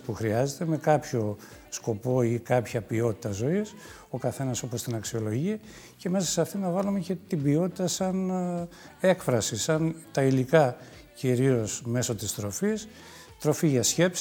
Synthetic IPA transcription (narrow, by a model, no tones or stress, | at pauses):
puxɾiɐzet̪e̞me̞kɐpço̞ | sko̞po̞ikɐpçɐpio̞t̪i̥t̪ɐzo̞is | o̞kɐθe̞nɐso̞po̞st̪inɐksio̞lo̞ʝiɐ | ce̞me̞sɐsɐft̪inɐvɐlumece̞t̪ibio̞t̪i̥t̪ɐsɐn | e̞kfɾɐsisɐnt̪ɐilikɐ | ciɾio̞sme̞so̞t̪ist̪ɾo̞fis | t̪ɾo̞fiʝɐsçe̞ps